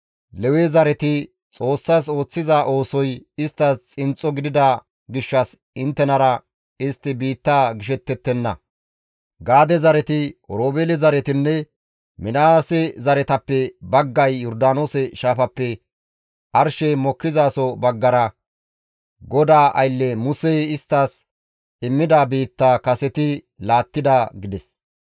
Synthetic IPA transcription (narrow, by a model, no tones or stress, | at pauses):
lɛwɛzɐɾɛt̪ɪ | t͡sʼo̞ːsːas̬o̞ːt͡sːɪzɐʔo̞ːsɔjɪst̪ːɐst͡sʼɪnt͡sʼːɔɡɪd̪ɪd̪ɐ | ɡɪʃːɐs | ɪnt̪ːɛnɐɾɐ | ɪst̪ːɪbiːt̪ːaːɡɪʃ̬ɛt̪ːɛt̪ːɛnːɐ̰ | ɡaːd̪ɛzɐɾɛt̪ɪɔɾoːbeːlɛzɐɾɛt̪ɪnːɛ | mɪnaːsɛzɐɾɛt̪ɐpːɛbɐɡːɐjːɔɾd̪aːnoːsɛʃaːfɐpːɛ | ʔɐɾʃɛmɔkːɪzaːsɔbɐɡːɐɾɐ | ɡɔd̪aːʔɐ̰jlːɛmʊsɛjɪst̪ːaːs | ɪmːɪd̪aːbiːt̪ːaːkɐsɛt̪ɪ | laːt̪ːɪd̪ɐɡɪd̪ɛs